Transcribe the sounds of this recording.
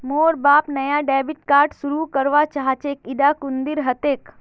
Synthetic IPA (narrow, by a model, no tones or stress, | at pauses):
moːɾbaːpnɐjaɖɛːbɪʈkaːɾʈsuɾukəɾʋat͡ʃaɦat͡ʃeːkɪd̪akʊ̃nd̪ɪɾɦɐt̪eːk